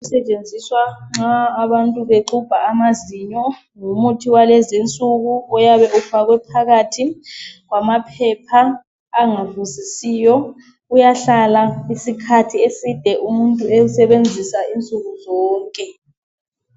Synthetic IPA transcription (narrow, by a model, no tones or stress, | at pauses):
usɛt͡ʃʼend͡zʱiswaŋ͡ǁaːβantʼuβeǃub̥ʱaːmaziɲɔ | ŋumutʰiwalezint͡sʼuɣuɔjaβɛʔufaɣwɛpʰaɣatʰiɣwamapʰɛpʰaː | ŋavuzisijɔ | ujaɬalaisikʰatʰiesid̥ʱɛʔumuntʼuɛusɛβend͡zʱisaint͡sʼuɣuzɔːŋkʼɛ